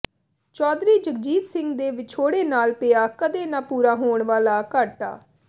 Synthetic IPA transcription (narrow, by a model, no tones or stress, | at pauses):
t͡ʃɔːd̪ɾiːd͡ʒək̚d͡ʒiːt̪sɪŋɡd̪eːʋɪt͡ʃʰoːɽeːnaːlpɪjaːkəd̪eːnaːpuːɾaːɦoːɳʋaːlaːkəʈa̰ː